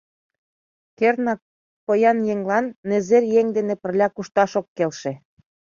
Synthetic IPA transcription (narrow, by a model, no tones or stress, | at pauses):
kernɑk | pɤjɑnjeŋlɑnːezerjeŋd̪enepə̆rlʲɑkuʃt̪ɑʃokːelʃĕ